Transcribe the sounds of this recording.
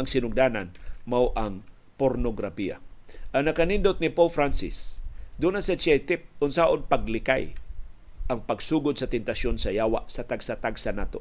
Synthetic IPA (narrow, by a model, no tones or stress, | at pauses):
ɐŋsɪnʊɡ̚d̪aːnanmawʔaŋ | poɾnoɡɾafia̰ʔaŋnakanindot̪̚nɪpowfɾansɪ̰sd̪unasat͡ʃajt̪ɪp̚ʊnsaʔonpaɡ̚lɪka̰j | ʔɐŋpaɡsuːɡʊd̪̚sɐt̪ɛnt̪asjonsajaːwa̰ʔsɐt̪aɡsat̪aɡsanaːt̪o